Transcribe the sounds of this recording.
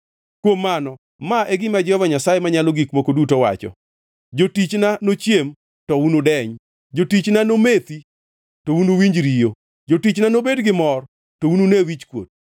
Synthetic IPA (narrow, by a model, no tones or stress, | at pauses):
kwomːanɔ | maʔeɡɪmad͡ʒɔvaɲasajemaɲaloɡikmokodutowa̰t͡ʃɔ̰ | d͡ʒotit͡ʃnanot͡ʃjem | tɔunodɛɲ | d͡ʒotit͡ʃnanomet̪i | tounowiɲd͡ʒɾijo | d͡ʒotit͡ʃnanobedɡɪmɔr | toununewit͡ʃkwo̰d̚